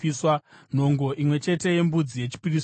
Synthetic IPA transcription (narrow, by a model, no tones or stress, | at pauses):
iswan̤o̞ŋɡo̞ʔimwe̞t͡ʃe̞te̞je̞mbud͡zije̞t͡ʃi̥piris